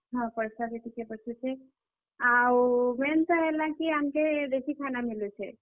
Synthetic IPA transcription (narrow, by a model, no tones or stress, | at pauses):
ɦɔ̃pɔɹsaketʰikɛbɔsusɛ | awmɛntaɦɛlakiamkɛd̪ekʰikʰanamilujsɛ̰